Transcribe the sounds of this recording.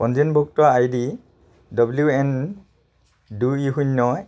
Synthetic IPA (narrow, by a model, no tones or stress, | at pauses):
pɔnd͡ʒinbʱɔk̚tɔajdi | dɔbljuɛn | duiɦuɲːɔ